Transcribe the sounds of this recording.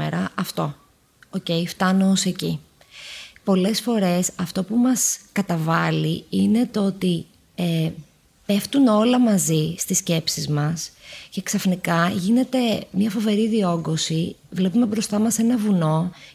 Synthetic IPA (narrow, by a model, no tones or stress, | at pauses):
ḛɾɐʔɐft̪o̞ | oce̞jft̪ɐnooseci | po̞le̞sfo̞ɾe̞sɐft̪o̞pumɐskɐt̪ɐvɐliine̞t̪oot̪i | e | pe̞ft̪uno̞lɐmɐzist̪isce̞psizmɐsce̞ksɐfnikɐʝine̞t̪e̞mɲɐfo̞ve̞ɾiðio̞ɡo̞sivle̞pume̞bɾo̞st̪ɐmɐse̞nɐvuno̞